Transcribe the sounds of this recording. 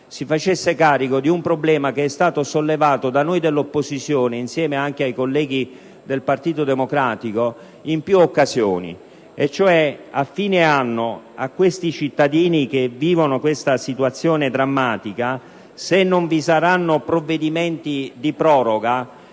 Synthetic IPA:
sifat͡ʃesːekaːɾikod̪iumpɾoblɛːmakeɛst̪aːt̪osolːevaːt̪od̪anojd̪elːopːozit̪sjoːneinsjɛːmeaŋk̟eajkolːɛːɡi | d̪elpart̪iːt̪od̪emokɾaːt̪iko | impjuokːazjoːnḭ | et͡ʃːoɛafːiːneanːoa̰kːwest̪it͡ʃit̪ːad̪iːnikevːiːvonokwest̪asit̪uwat̪sːjoːned̪ɾamːaːt̪ika | senːoɱvisaɾanːopɾovːed̪imɛnt̪id̪ipɾɔːɾoɡa

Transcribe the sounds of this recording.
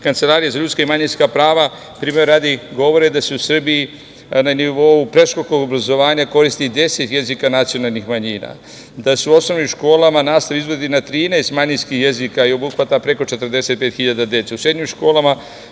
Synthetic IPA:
kant̪se̞laːɾijezaʎut̪skaimaɲinskapɾaːʋa | pɾiːmeɾaːd̪iɡo̞ʋo̞ɾed̪aseusr̩biji | naniʋo̞upɾe̞ʃkokoɡobɾazo̞ʋaːɲako̞ɾist̪id̪e̞se̞t̪je̞zikanat̪sijo̞nalˠnixmaɲiːna̰ | d̪asuuo̞sno̞ʋnimʃko̞ːlˠamanaːst̪aʋiizʋod̪inat̪ɾiːnɛest̪maɲinskixje̞zikaio̞buxʋat̪apɾe̞ko̞t͡ʃe̞t̪r̩d̪e̞se̞t̪̚pet̪xiʎad̪ad̪e̞t̪seusɾed̪ɲimʃko̞ːlˠama

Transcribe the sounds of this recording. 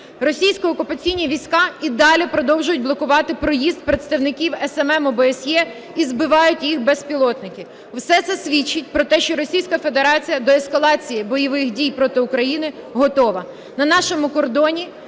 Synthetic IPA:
rɔsʲijsʲkɔɔkʊpɐt͡sʲijnʲiʋʲijsʲkɑid̪ɑlʲipɾɔd̪ɔwʒʊjʊt̚ʲblˠɔkʊʋɑt̪ɪpɾɔjizd̪̚pɾet̪st̪ɐwnɪkʲiwɛsɛmɛmɔbɛːsʲjɛ | izbɪʋɑjʊtʲjixbɛspʲilˠɔt̪nɪkʲi | wsɛt̪sɛsʲʋʲit͡ʃːɪt̚ʲpɾɔt̪ɛʃt͡ʃɔɾɔsʲijsʲkɐfe̞d̪eɾɑt͡sʲijɐd̪ɔɛskɐlˠɑt͡sʲijibɔjɔʋɪxdʲijpɾɔt̪ɪʊkɾɐjinɪ | ɦɔt̪ɔʋɐ | nɐnɑʃɔmʊkɔrd̪ɔnʲi

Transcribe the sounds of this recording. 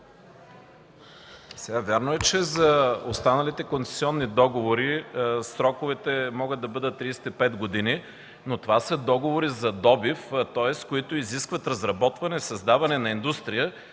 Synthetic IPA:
sɛɡavʲjaɾnoɛt͡ʃɛzɐost̪anɐlit̪ɛkont̪sɛ̥siɔnːid̪ɔɡovoɾisɾɔkovɛt̪ɛmɔɡət̪d̪ːɐbɤd̪ət̪ːɾisɛ̥t̪ipɛt̪ɡod̪ini | not̪ovasəd̪ɔɡovoɾizɐd̪ɔbift̪ɔɛskoit̪oiziskvɐt̪ɾɐzɾɐbɔt̪vɐnɛsɐzd̪avɐnɛnɐind̪ust̪ɾijə

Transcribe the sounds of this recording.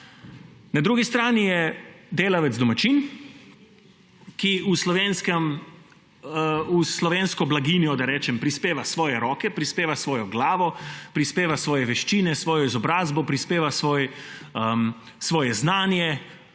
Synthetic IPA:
nad̪ɾuːɡist̪ɾaːnijɛd̪eːlaʋɛzd̪ɔmat͡ʃiːn | kiuslɔʋeːnskɛm | uslɔʋeːnskɔblaɡiːnjɔd̪aɾɛːt͡ʃɛmpɾispeːʋasʋɔːjɛɾɔːkɛpɾispeːʋasʋɔːjɔɡlaːʋɔpɾispeːʋasʋɔːjɛʋɛʃt͡ʃiːnɛsʋɔːjɔizɔbɾaːzbɔpɾispeːʋasʋɔːjəm | sʋɔːjɛznaːnjɛ

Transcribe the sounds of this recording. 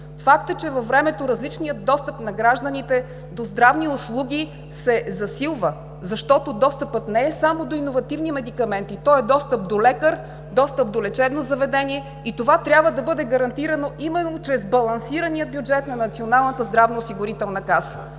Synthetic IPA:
fak̚t̪ət͡ʃɛvɐfvːɾɛmɛt̪oɾɐzlit͡ʃniəd̪ːɔst̪əpnɐɡɾaʒd̪ənit̪ɛ | d̪ozd̪ɾavniʊslˠuɡʲi | sɛzɐsilˠvə | zɐʃt̪ɔt̪od̪ɔst̪əpɤt̪nɛɛsamod̪oinovɐt̪ivnimɛd̪ikɐmɛnt̪it̪ɔɛd̪ɔst̪əp̚d̪olɛkəɾ | d̪ɔst̪əp̚d̪olɛt͡ʃɛb̪nozɐvɛd̪ɛniɛ | it̪ovat̪ɾʲabvəd̪ɐbɤd̪ɛɡɐɾɐnt̪iɾɐnoʔimɛnːot͡ʃɾɛzbɐlˠɐnsiɾəniəd̪̚bʲjud͡ʒɛt̪nɐnɐt̪sionalˠnət̪əzd̪ɾavnoːsiɡʊɾit̪ɛlˠnɐkasə̥

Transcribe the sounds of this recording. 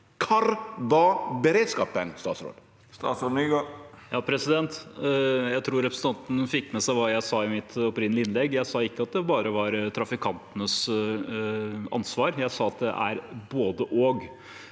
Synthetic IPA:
kʰɑɾʋɑbəɾeːd̪skɑːpənst̪ɑːt̪sɾo̰ːd̪ | st̪ɑ̰ːt̪sɔniɡɑjɑːpʰɾɛsɪd̪ɛnt̪ | jæɪt̪ʰɾuːɾɛpɾəsət̪ɑnt̪n̩fɪkːmɛsæɪʋɑːjæɪsɑːɪmɪt̪ɔpɾɪnːəlɪɪnlɛɡːjæɪsɑːɪkːəɑt̪̚d̪ɛbɑːɾəʋɑɾt̪ʰɾɑfɪkʰɑnt̪ənəs | ɑ̰nsʋɑːɾjæɪsɑːɑt̪̚d̪ɛ̰ʔæ̰ɾboːd̪əʔoːɡ

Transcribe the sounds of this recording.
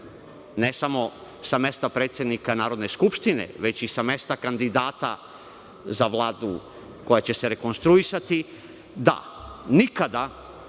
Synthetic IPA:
nesamo̞same̞st̪apɾet̪sʲje̞d̪nikanaːɾo̞d̪ne̞skupʃt̪ine̞̰ʋe̞t͡ɕisame̞st̪akand̪id̪aːt̪a̰ | zaʋlˠaːd̪ṵ | ko̞jat͡ɕe̞se̞ɾe̞ko̞nst̪ɾuisat̪i | d̪a̰nikad̪a

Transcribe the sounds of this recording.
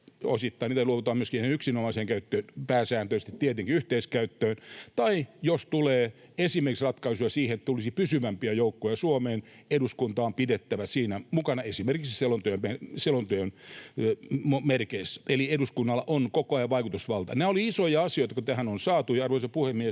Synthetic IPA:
o̰sit̪ːɑiniːt̪æluoʋut̪oɑːmyøskinihnenyksinomɑiseːŋkæyt̪ːøːnpæːsæːnt̪øist̪it̪t̪iet̪eŋkiyht̪eiskæyt̪ːøːnt̪ɑijost̪uleː | esimerkisrɑt̪kɑisujɑsiːhenet̪ːt̪ulisipysyʋæmpiæjoukːojɑsuomeːn | eduskunt̪ɑːmpidet̪ːæʋæsiːnæmukɑnɑesimerkiksselont̪yømpæselont̪yøn | momerkeiselieduskunːɑlːɑʔonkokoɑjɑʋʋɑikut̪usʋɑlt̪ɑ̰næːoliisojɑɑsijoit̪ɑ̥kot̪æhænonsɑːt̪ujɑɑrʋoisepuhemmie

